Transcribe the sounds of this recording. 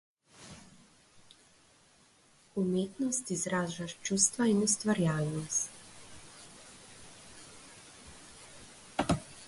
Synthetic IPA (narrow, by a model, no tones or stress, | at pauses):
umeːt̪nost̪izɾaːʒaʃt͡ʃust̪ʋainust̪ʋaɾjaːlnost̪